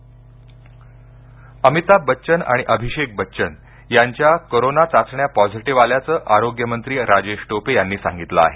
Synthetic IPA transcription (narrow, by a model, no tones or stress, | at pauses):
əmit̪abətːɕəna̰ɽ̃iʔəbʱiɕek̚bətːɕən | jaɲt͡ɕjakoɾonat͡sat͡sɳjapɔd͡ziʈiʋaljat͡səːʔaɾoɡjəmənt̪ɾiːɾad͡ʑeɕʈopejanːiːsã̰ŋɡit̪ləa̰ɦe